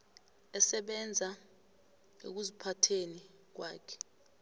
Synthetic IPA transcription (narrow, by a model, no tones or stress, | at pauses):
ɛsɛɓɛnd͡zʱa | ḛk̬uzipʰatʰeni | k̬waːkʰɛ̥